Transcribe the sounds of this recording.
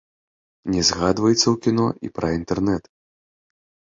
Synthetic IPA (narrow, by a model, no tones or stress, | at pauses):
nʲɛzɣad̪vɐjɛt̪sːɐwkʲinɔʔḭpɾɐint̪ɛrnɛt̪